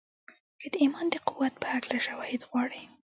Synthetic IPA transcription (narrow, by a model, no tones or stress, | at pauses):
kad̪əimɑnd̪əqʊwːat̪̚pə̥haklaʃawɑhɪd̪ɣwɑɽi